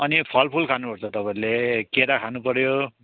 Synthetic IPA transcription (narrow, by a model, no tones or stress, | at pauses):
ʌnipʰʌlpʰulkʰanupʌɾt͡sʰʌt̪ʌpaĩlekeɾakʰanupʌɾjo